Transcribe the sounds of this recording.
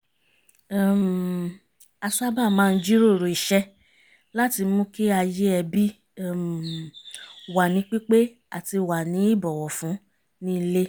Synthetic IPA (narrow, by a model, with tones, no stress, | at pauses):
m | a˧su˦a˦ba˦˨mãː˦˧n̩˦d͡ʒi˦ɾo˦˨ɾo˨i˨ʃɛ˧˦ | la˦ti˧mũ˦ki˦a˧je˦ɛ˧bi˦˨ | m˨ | wa˨nĩ˨˦k͡pi˦k͡pe˦ | a̰˨ti˧wa˨nĩ˨˦i˦˨bɔ˨wɔ˨fũ˨˦ | nĩ˦˧˦le˦